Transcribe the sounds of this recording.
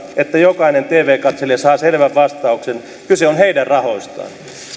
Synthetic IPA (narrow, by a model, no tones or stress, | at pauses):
et̪ːæjokɑinent̪eːʋeːkɑt̪selesɑːselʋæʋʋɑst̪ɑuksen | kyseonheidærɑhost̪ɑ̰ː